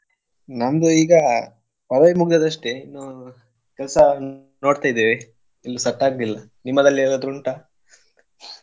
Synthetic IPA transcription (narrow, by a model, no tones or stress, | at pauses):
nɐnd̪uiːɡɐ | pɐɾʋɐjmuɡd̪ɐd̪ɐʂʈeinːu | kɛlsɐ | no̞ːɽt̪aːjd̪ːeːʋe | ilːusɐʈːaːɡlilːɐ | nimːɐd̪ɐlːiɐd̪ɾuɳʈa